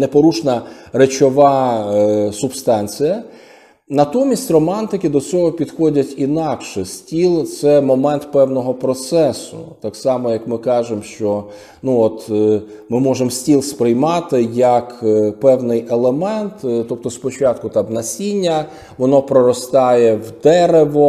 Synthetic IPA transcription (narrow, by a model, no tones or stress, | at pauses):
nepɔɾuʃnɐɾet͡ʃɔʋɑ | sʊbst̪ɑnʲt͡sʲijɐ | nɐt̪ɔmʲisʲtʲrɔmɑnt̪ɪkɪd̪ɔt͡sʲɔɦɔpʲid̪xɔdʲɐtʲinɑkʃɛsʲtʲilˠt̪sɛmɔmɛnt̪pɛwnɔɦɔpɾɔt̪sɛsʊ̰t̪ɑksɑmɔjɐkmɪkɑʒemʃt͡ʃɔ | nuɔt̪ | mɪmɔʒemsʲtʲilˠspɾɪjmɑt̪ɪjɐkpɛwnɪjelˠemɛnt̪t̪ɔp̚t̪ɔspɔt͡ʃɑt̪̚kʊt̪ɑbnɐsʲinʲːɐ | ʋɔnɔpɾɔɾɔst̪ɑjɛwd̪ɛɾeʋɔ